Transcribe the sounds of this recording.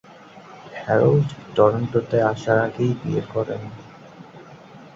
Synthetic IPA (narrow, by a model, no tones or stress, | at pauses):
hɛɾolɖtɔɾoɳʈot̪eaʃaɾaɡejbieɾkɔɾḛn